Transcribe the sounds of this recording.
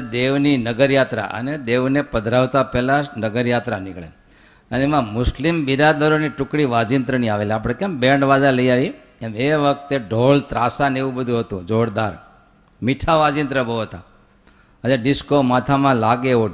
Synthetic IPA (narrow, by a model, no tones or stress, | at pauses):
d̪eʋninəɡəɾjat̪ɾa̰ʔə̰ned̪eʋnepəd̪ʱɾaʋt̪apɛlanəɡəɾjat̪ɾanɪkɭḛ | əneemãmʊslimbiɾad̪əɾoniʈʊkɽiʋad͡ʒint̪ɾəniaʋeleap̬ɽ̃ekembẽɳɖʋad͡ʒaləiaʋi | emeʋək̚t̪eɖolt̪ɾasaneʋũbəd̪ʱũɦət̪ṵ̃d͡ʒoɽd̪aɾ | miʈʰaʋad͡ʒint̪ɾəbət̪a̰ | əaɖɪskomat̪ʰamãlaɡeo